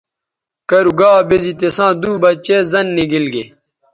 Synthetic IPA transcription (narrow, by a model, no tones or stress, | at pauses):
kɐɾuɡaːbezit̪esãːd̪uːbɐt͡ɕezɐnːiɡilɡe